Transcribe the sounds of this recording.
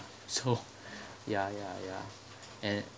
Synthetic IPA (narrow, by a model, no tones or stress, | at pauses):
soʊ | jajaja̰ | ʔɨ̃n